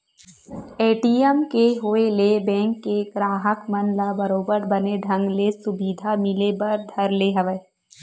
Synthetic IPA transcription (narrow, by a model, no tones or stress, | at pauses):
eːʈiːɛmkeɦoːelebɛ̃ːŋkːeɡɾaːɦəkmənlabɐɾoːbəɾbɐneɖʱɐ̃ŋɡlesʊbiːd̪ʱamɪlebɐɾd̪ʱɐɾleɦɐʋə